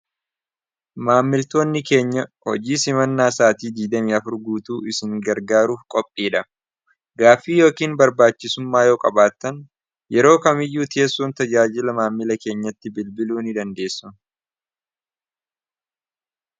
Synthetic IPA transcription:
maːmːɪlt̪o̞ːnːɪke̞ːɲːɐhɔd͡ʒiːsɪmɐnːaːsaːt̪iːd̪iːd̪ɐmiːɐfʊɾɡuːt̪uːɪsɪŋɡɐɾɡaːɾuːfkʼɔpʼːiːᶑɐ | ɡaːfːiːjo̞ːkiːnbɐɾbaːt͡ʃːɪsʊmːaːjoːkʼɐbaːt̪ːɐn | jɛɾo̞ːkɐmɪjːuːt̪e̞ːsːuːnt̪ɐd͡ʒaːd͡ʒɪlɐmaːmːɪlɐke̞ːɲːɐt̪ːɪbɪlbɪluːnɪd̪ɐnd̪e̞ːsːʊ

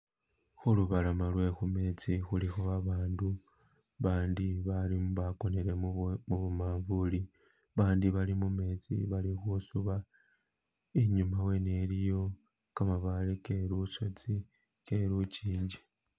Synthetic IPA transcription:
xuluβalamalwe̞xume̞t͡sixulixoβaβaːndu | βaːndiβalimβako̞neɾe̞muβumaːɱvuli | βaːndiβalimume̞ːt͡sḭβalixusuβa | eɲumawe̞nelijo̞ | kamaβaleke̞ɾusot͡si | ke̞ɾut͡ʃiːɲd͡ʒe

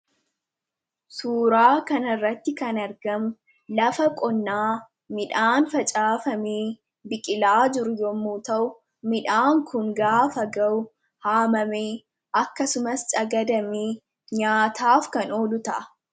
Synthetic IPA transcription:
suːɾaːkɐnɐrːɐt̪ːɪkɐnɐɾɡɐmʊ | lɐfɐkʼɔnːaː | mɪᶑaːnfɐt͡ʃʼaːfɐmeː | bɪkʼɪlaːd͡ʒɪɾʊjɔmːuːt̪ɐʔʊ | mɪᶑaːŋkʊŋɡaːfɐɡɐʔʊ | haːmɐmeː | ʔɐkːɐsʊmɐst͡ʃɐɡɐd̪ɐmeː | ɲaːt̪aːfkɐnoːlʊt̪ɐʔɐ

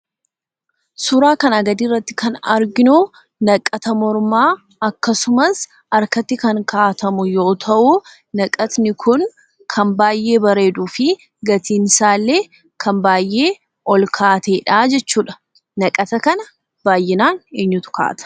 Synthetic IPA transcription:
sʊɾaːkɐnɐɡɐd̪iːrːɐt̪ːɪ̥kʰɐnɐɾɡɪnʊ | nɐkʼːɐt̪ɐmɔɾmaː | ɐkːɐsʊmɐs | ɐɾkɐt̪ːɪkɐŋkʰaːt̪ɐmʊjo̞ːt̪ʰɐʔu | nɐkʼɐt̪nɪkʰʊn | kʰɐmbaːjːe̞ːbɐɾe̞ːd̪uːfɪ | ɡɐt̪iːnsaːlːe̞ː | kʰɐmbaːjːe̞ː | ʔɔlkʰaːt̪eːᶑaːd͡ʒɛt͡ʃːuːᶑɐ̥ | nɐkʼɐt̪ɐkɐnɐ | b̥aːjːɪnaːneːɲːʊt̪ʊ̥ka̰ːt̪ɐ̥

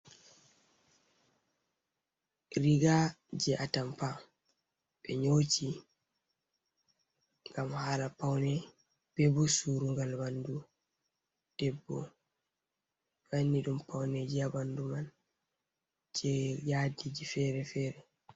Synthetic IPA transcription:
ɾiɡad͡ʒɛʔatampa | ɓɛ̰ɲot͡ʃi | ŋɡamhalapawnɛ | b̥ɛbɔsuɾuŋɡalbandu | d̥ɛbːɔ̰ | ɓanːiɗumpawnɛd͡ʒiabanduman | d͡ʒɛjaːdid͡ʒifɛɾɛfɛːɾɛ

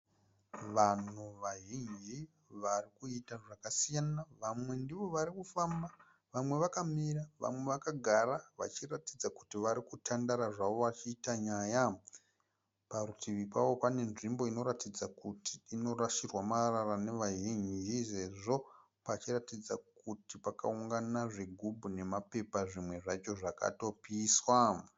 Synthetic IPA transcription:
ʋan̤uʋaɦiɲi | ʋarikuitaʐakasijanaʋamwe̞ndiʋo̞ʋaɾikufamba | ʋamwe̞ʋakamiɾaʋa̰mwe̞ʋakaɡʱaɾaʋa̰t͡ʃiratid͡zaku̥tiʋaɾikutʰandaɾaʐaʋo̞ʋat͡ʃiːtaɲaja | paɾutʰiʋipawo̞pane̞nʐimbo̞ino̞ɾatid͡zakutiːno̞raʃirwamararane̞ʋaʒind͡ʒise̞ʐo̞ | pat͡ʃiratid͡zakutipaka̰uŋɡanaʐiɡʱubʱune̞mape̞paʐimwe̞ʐat͡ʃo̞ʐaka̰to̞piːswa

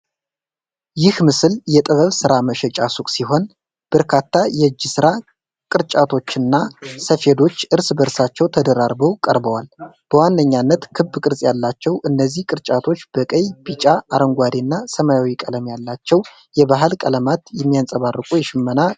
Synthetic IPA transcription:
jɪhmɨsɨljɛt̪ʼɨβəβsɨɾaməʃɛt͡ʃʼasukʼsiɦo̞n | b̥əɾkʰat̪ːajɛɨd͡ʒːɪsɨɾa | kʼɨɾt͡ʃʼat̪ʰo̞t͡ʃːɨnːasəfe̞d̪o̞t͡ʃːʔɨɾsbəɾsat͡ʃːɛwt̪ʰəd̪əɾaɾbəwkʼəɾbəwalb̥əwanːəɲːanːət̪kʰɨbːɨkʼɨɾzʼjalːat͡ʃːɛwʔɨnːəzːihkʼɨɾt͡ʃʼat̪ʰo̞t͡ʃːb̥əkʼəjbit͡ʃʼaaɾəŋɡʷad̪enːasəmajawikʼələmjalːat͡ʃːɛw | jɛbaɦɨlkʼələmat̪jɛmːijansʼəβarːɨkʼujɛʃɪmːəna

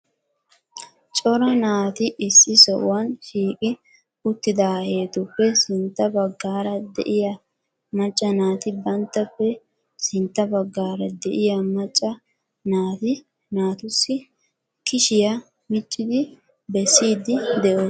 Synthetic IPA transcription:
t͡ʃʼɔɾɐnaːt̪ɪʔɪsːɪsɔʔʊ̰wɐnʃiːkʼɪ | ʊt̪ːɪd̪aːhe̞ːt̪ʊpːɛsɪnt̪ːɐbɐɡːaːɾɐd̪ɛ̰ʔɪjɐ | mɐt͡ʃʼːɐnaːt̪ɪbɐnt̪ːɐpːɛ | sɪnt̪ːɐbɐɡːaːɾɐd̪ɛʔɪjɐmɐt͡ʃʼːɐ | naːt̪ɪ | naːt̪ʊsːɪ | kɪʃɪjɐ | mɪt͡ʃʼːɪd̪ɪ | bɛsːiːd̪ɪd̪ɛʔo

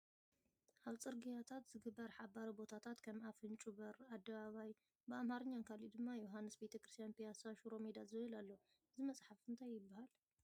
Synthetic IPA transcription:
ʔaβt͡sʼɨɾɡijat̪ʰat̪zɨɡɨbːɐɾħabaɾibo̞t̪ʰat̪ʰat̪kʰɐmafɨnt͡ʃʼuβɐɾad̪ːɐβaβaj | bɨamhaɾɨɲːankʰalid̪ɨmːajoɦanːɨsbet̪ʰɐkɾɨst̪ʰjanpʰijasaʃuɾo̞med̪azɨβɨlalːo | ɨzimɐt͡sʼħafɨnt̪ʰajːɪbːahal

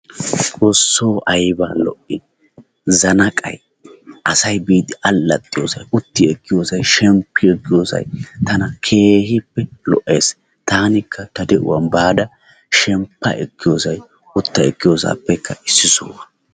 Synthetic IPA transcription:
kʼɔsːoːʔɐjbɐlɔ̰ʔɪ | zɐnɐkʼɐ̰j | ʔɐsɐjbiːd̪ɪʔɐlːɐt̪ʼːɪjo̰ːsɐjʊt̪ːɪɛkːɪjoːsɐjʃɛmpːɪɛkːɪjoːsɐ̰jt̪ɐnɐkʰe̞ːhɪpːɛlɔ̰ʔe̞ːs | t̪aːnɪkʰːɐt̪ɐd̪ɛʔʊ̰wɐnbaːd̪ɐ | ʃɛmpːɐʔɛkːɪjoːsɐj | ʊt̪ːɐɛkːɪjoːsa̰ːpːɛkːɐʔɪsːɪsɔ̰wɐ

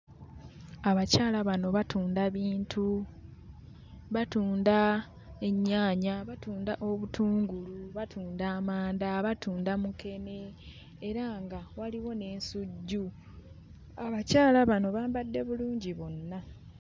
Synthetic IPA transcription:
aβacaːlaβano̞βatuːndaβiːntʰu | βatuːnda | e̞ɲːaːɲaβatuːndaʔo̞βutʰuːŋɡuluβatʰuːndaːmaːndaβatuːndamuke̞ne̞ː | ɾaŋɡawaliwo̞ne̞ːnsuɟːu | aβacaːlaβano̞βaːmbadːe̞βuluːɲɟiβo̞nːa

